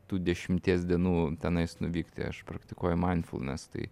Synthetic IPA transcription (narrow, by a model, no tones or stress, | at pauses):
t̪uːd̪ʲɛʃʲɪmʲt̪ʲiɛs̬ʲd̪ʲiɛnuːt̪ʲɛnɐɪsnʊʋʲiːkt̪ʲḛɐ̰ʃpɾɐkt̪ʲɪkuɔjʊmɐɪnfṵlˠnʲɛ̰st̪ɐ̰ɪ